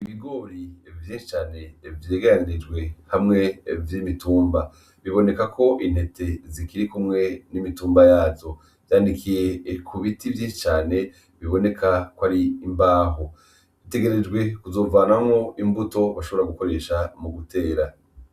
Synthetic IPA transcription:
iβiɡo̞ːɾivjiːʃi̥t͡ʃaːne̞vje̞ːɡeɾaniɾid͡ʒɡwe̞hamŋe̞vjimituːmba | βiβo̞ne̞kakʰo̞ʔin̥he̞tʰe̞zikiɾikumŋe̞nimituːmbajaːzo̞ | v̥jandikʰije̞kʰuβitivjiːʃi̥t͡ʃaːne̞ | βiβo̞ne̞kʰakwaɾiːmbaːɦo | βite̞ɡe̞ɾe̞d͡ʒɡwe̞kuzo̞ːvaːnamŋo̞ʔimbuto̞βaʃo̞βoɾaɡuko̞ɾe̞ːʃamuɡuteːɾa

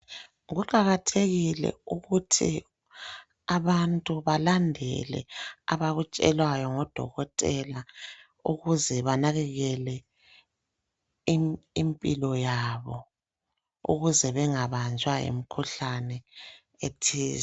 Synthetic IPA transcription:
ɣuǃaɣatʰeɣilɛ̰uɣutʰḭ | aβantʼuβalandʱɛ̰lɛ̰a̰βaɣut͡ʃʼɛlwajɔŋɔd̥ʱɔ̰ɣɔtʼɛla | uɣuzɛβanaɣɛɣɛlɛ | impʼilɔjaβɔ | ṵɣuzɛβɛŋaβant͡ʃʼwaḛmikʰuɬanɛ | etʰiːzɛ

